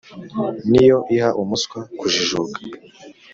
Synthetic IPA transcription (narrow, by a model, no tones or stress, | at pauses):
nijo̞ʔihaʔumuskwakuʒiʒuɡḁ